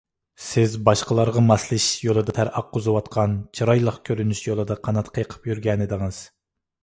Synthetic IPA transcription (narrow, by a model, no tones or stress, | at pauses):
sɪzbɑʃqəlˠɑɾʁɑmɑslˠɨʃjolˠɨd̪ɑt̪ʰæɾʔɑqːozɨwɑt̪qʰɑnt͡ʃʰiɾɑjlˠɑχkʲʰøɾynyʃjolˠɨd̪ɑqʰɑnɑt̪qʰəjqʰə̥pjyɾɡʲɛnɪd̪ɨŋɨz̥